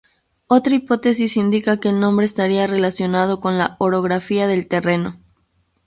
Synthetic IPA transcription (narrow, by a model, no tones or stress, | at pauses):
o̞t̪ɾaipo̞t̪e̞sisind̪ikake̞ːlnõ̞mbɾe̞ːst̪aɾiare̞lasjo̞nað̞o̞ko̞nlaoɾo̞ɣɾafiaðe̞lt̪e̞re̞no̞